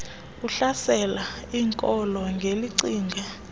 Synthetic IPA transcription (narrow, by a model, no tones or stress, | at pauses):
uɬasɛlaiːŋkʼɔlɔŋɡʱeliǀiːŋɡʱa